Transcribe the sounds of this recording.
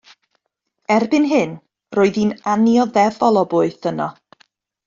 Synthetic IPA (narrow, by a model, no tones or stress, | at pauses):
ɛrbɪnɦɪn | roːɨðinanjɔðɛvɔlˠɔbʊɨθənɔ